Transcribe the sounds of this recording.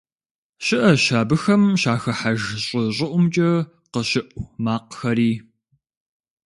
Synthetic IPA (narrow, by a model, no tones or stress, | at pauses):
ʃɪʔɐʃaːbɨxɐmʃaːxɐħaʒɕʼɪɕʼɪʔʷʊmt͡ʃʼɐ | qəɕɪʔʷmaːqxɐɾiː